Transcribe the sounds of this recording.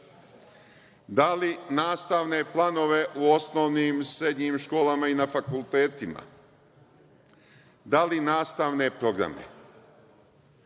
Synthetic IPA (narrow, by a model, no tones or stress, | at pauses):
d̪alinaːst̪aʋne̞plˠano̞ʋe̞ʔuo̞snoːʋniːmsɾe̞d̪ɲimʃko̞ːlamainafakulˠt̪e̞ːt̪ima̰ | d̪alinaːst̪aʋne̞pɾo̞ɡɾa̰me̞̰